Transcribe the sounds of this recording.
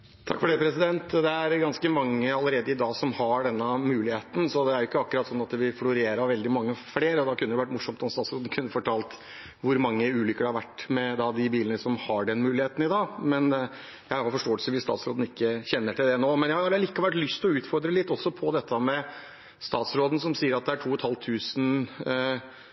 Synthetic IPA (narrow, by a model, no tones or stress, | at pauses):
t̪ʰɑ̰kːfɔɖɛpʰɾɛsɪd̪ɛnt̪d̪ɛæɾɡɑnskəmɑŋːəɑləɾeːd̪əɪd̪ɑːɡsɔmhɑɖɛnːəmʉːlɪheːt̪n̩sɔd̪ɛæɾjɪkːəɑkːʉɾɑt̪sɔnːɑt̪ʋɪflʊɾeːɾɑɾʋɛld̪ɪmɑŋːəfleːɾəɔd̪ɑkʰʉnːəʋɪʋæʈːmʊʂɔmt̪ɔmst̪ɑːt̪sɾoːd̪n̩kʰʉnːəfɔʈʰɑːlt̪ | ʋʊɾmɑŋːəʉːlʏkəɖɛhɑɾʋæʈːmɛd̪ɑd̪ɪbiːlənəsɔmhɑɖɛnmʉːlɪheːt̪n̩ɪd̪ɑːmɛn | jæɪhɑɾfɔʂʈoːəlsəʋɪst̪ɑ̰ːt̪sɾo̰ːd̪n̩ɪkːəçɛnːəʈɪld̪ɛnoːmɛnjæhɑɑɾliːkɑʋɛlt̪lʏst̪lɔʉːt̪fɔɾd̪ɾəlɪt̪ːɔsːɔpʰɔd̪ɛt̪ʰːəmɛ | st̪ɑːt̪sɾoːd̪n̩sɔmsiːəɾɑt̪̚d̪ɛæʈʰuːɔt̪hɑlt̪ʰːʉːsn